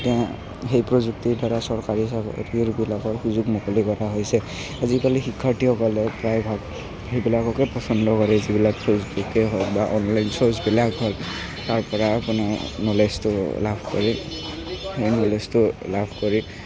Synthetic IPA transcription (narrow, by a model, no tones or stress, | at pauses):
tɛã | ɦejpɹɔzuk̚tiɹdaɹasɔɹkaɹisabɔ̰tiɹbilakɔɹxuzuɡmɔkɔlikɔɹaɦojsɛ | azikalixikʰːaɹtiɔkɔlɛpɹajbʱaɡ | hejbilakɔkɛpɔsɔndʱɔkɔɹɛzibilak̚sɔzbukɛɦɔbaʔɔnlajnsɔɹzbilakɦɔl | taɹpɔɹaːpʊnaɹnɔlestʊlabʱkɔɹi | hejnɔlestʊlabʱkɔɹi